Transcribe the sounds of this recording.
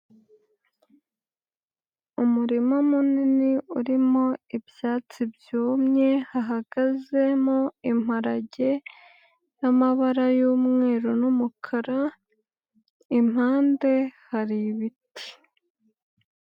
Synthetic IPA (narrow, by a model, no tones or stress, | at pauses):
umuɾimomuniniuɾimo̞ibjaːt͡sibjuːmɲe̞haɦaɡ̥aze̞mo̞imaɾaɟe | jamaβaɾajuːmŋe̞ːɾonumukʰaɾa | im̥haːnde̞haɾiβiti̥